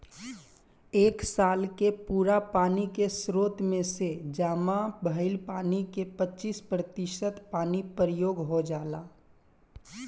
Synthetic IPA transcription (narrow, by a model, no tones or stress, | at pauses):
eːksaːlkepuːɾapaːnikesɾoːt̪mẽsed͡ʒaːmãbʱəɪlpaːnikepətːt͡ʃiːspɾət̪ɪʃət̪paːnipəɾəjoːɡɦod͡ʒaːlaː